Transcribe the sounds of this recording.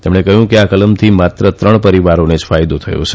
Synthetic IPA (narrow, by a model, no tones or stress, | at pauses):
t̪emɽ̃ekəɦjũkeakələmt̪ʰimat̪ɾət̪ɾəɳpəɾiʋaɾoned͡ʒfajd̪ot̪ʰəjo̰t͡ʃʰe